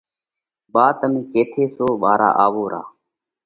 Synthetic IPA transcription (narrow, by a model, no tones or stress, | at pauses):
ɓaːt̪əmĩːkeːt̪ʰeːsoːɓaːɾa̰ːʔaːʋoːɾa̰ː